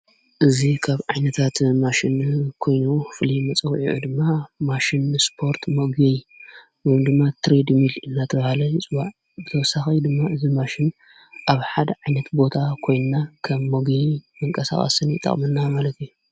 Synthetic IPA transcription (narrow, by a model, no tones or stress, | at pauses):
ʔɨzikʰaβʕajnɐt̪ʰat̪maʃɪnkʰo̞jnufɨlimɐt͡sʼɐwiʕṵd̪ɨmːamaʃɪnspʰo̞ɾt̪moɡej | jmd̪ɨmːat̪ʰɾed̪milɨnːat̪ʰɐβahalɐjɨt͡sʼɨbaʕ | bɨt̪ʰɐwɔsaxɐjd̪ɨmːaɨzimaʃɪn | ʔaβħad̪ɐʕajnɐt̪bo̞t̪ʰakʰo̞jnːakʰɐmːoɡemɨŋkʼɐsa̰xʼɐ̰sɨnjɪt̪ʼːɐ̰χʼmɨnːamalɐt̪ʰju